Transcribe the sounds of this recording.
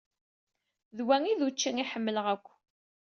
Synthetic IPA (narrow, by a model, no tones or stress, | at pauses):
ðwæŋiðut͡ʃːiŋiħəmːələʁækʷː